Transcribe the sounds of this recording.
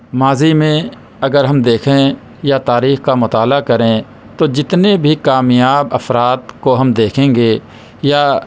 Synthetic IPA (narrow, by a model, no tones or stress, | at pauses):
maːzimẽ | ɐɡəɾɦɐmd̪eːkʰẽ | jat̪aːɾiːxkamʊt̪aːlakɐɾẽ | t̪od͡ʒɪt̪nebʱikaːmjaːbəfɾaːt̪koɦɐmd̪eːkʰẽːŋɡeː | ja